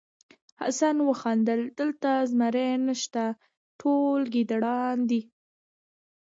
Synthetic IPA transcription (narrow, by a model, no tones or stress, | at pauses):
ha̰sanwəxɑnd̪əld̪̥əlt̪azmaɾenəʃt̪a | ʈʰolɡid̪aɽɑnd̪i